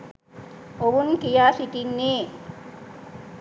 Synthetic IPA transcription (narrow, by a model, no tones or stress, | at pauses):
oʋunkijaːsiʈinːeː